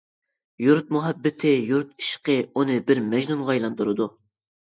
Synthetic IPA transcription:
juɾt̪̚muɦɛbːɪt̪ʰɪjuɾt̪̚i̥ʃqəunɨbɪɾmɛʒnunʁɑjlˠɑnt̪uɾɨd̪u

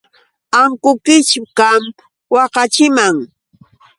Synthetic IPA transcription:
aŋkʊkɪt͡ʃʊkam | wɑqɑt͡ʃɪmaŋ

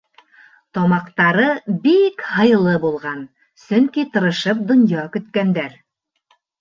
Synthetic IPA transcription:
t̪ɒmɑqt̪ɑɾɤbikhɤ̆j̆lˠɤbulˠʁɑn | sɵŋkit̪ɤ̆ɾɤ̆ʃɤp̚d̪ŏnjɑkɵ̆t̪kænd̪æɾ

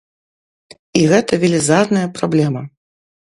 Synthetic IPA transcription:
iɣɛt̪ɐvʲilʲizarnɐjɐpɾablʲɛmɐ

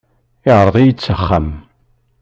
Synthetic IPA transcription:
ɪʁɾˤəðˤijət͡sːəχːam

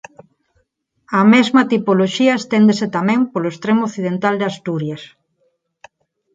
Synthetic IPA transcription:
ɐmezmɐt̪ipoloʃiɐest̪end̪eset̪amɛ̃ŋpoloest̪ɾemooθið̞ent̪ald̪ast̪uɾjɐs

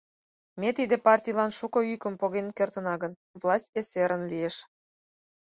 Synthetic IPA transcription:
met̪id̪epɑrtʲijlɑnʃukɤ̆ykə̆mpoɣenkert̪ə̆nɑɣə̆n | vlˠɑsʲtʲeseɾə̆nlieʃ

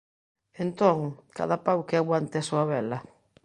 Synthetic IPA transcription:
ent̪oŋka̰ðapawkeaɣwant̪easuaβɛlɐ

